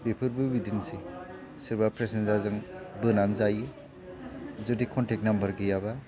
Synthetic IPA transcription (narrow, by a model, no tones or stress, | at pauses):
bepʰɯɾbɯbidinse | siɾbapɾesenzaɾzɯŋbɯnanzaji | zudikʰɔntek̚nambɐɾɡijaba